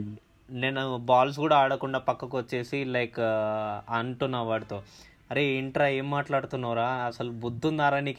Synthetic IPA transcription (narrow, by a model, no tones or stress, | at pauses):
neːnubaːls̬kuːɽaːɽɐkuɳɖaːpɐkːɐkuʋɐt͡ʃːe̞ːsilɐjk | ɐɳʈunːɐʋaːɽit̪o̞ː | ɐɾeiɳʈɾaːe̞ːmːaːʈlaːɽut̪unːɐːɾaːɐsɐlubud̪ʱːund̪aːɾɐniːk